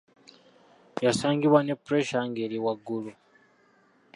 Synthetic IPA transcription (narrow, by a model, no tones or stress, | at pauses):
jasaːŋɡiβwane̞pːuɾeʃaŋɡeɾiwaɡːulu